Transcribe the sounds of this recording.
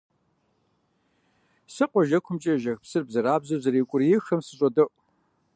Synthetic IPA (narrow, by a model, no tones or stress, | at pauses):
sɨqʷɔʒɐkʷʰʊmt͡ʃʼɐʒɐxpsɨrbzɐɾaːbzɐzɐɾiːkʷʼʊrjɪxɐmsɨɕʼɔdɐʔʷʼ